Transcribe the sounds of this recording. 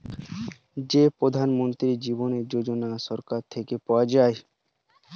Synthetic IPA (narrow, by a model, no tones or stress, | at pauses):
d͡ʑepɾod̪ʱanmont̪ɾid͡ʑiboneɾd͡ʑod͡ʑonaʃɔɾkaɾt̪ʰekepɔad͡ʑae